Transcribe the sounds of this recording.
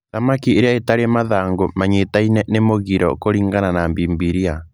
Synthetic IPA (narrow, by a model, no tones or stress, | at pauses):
ðamakieɾeaetaɾemaðaːŋɡomaɲetainɛnemoɣiɾɔ̰koɾiːŋɡananambiːmbiɾia